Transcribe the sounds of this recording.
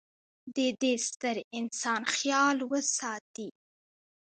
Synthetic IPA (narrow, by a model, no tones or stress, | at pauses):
d̪əd̪est̪əɾɪnsɑnxjɑlwəsɑt̪i